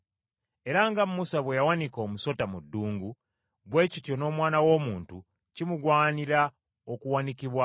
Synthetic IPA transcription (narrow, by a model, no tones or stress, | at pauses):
e̞ɾaŋɡammusaβwejawaniko̞ːmuso̞tamudːuːŋɡu | βwe̞ːcitjo̞no̞ːmwaːnawo̞ːmuːntu | cimuɡwaːniɾa | okuwanikiβwa